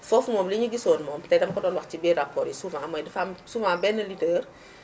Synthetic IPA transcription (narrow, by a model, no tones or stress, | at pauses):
fɔfumɔːbliɲuɡisɔːnmɔːmtɛdɐmkɔdɔːlwɐxtibɛrapʰːɔːɾisuːvãmɔjdɐfamsuːvãbɛnːəlitəːr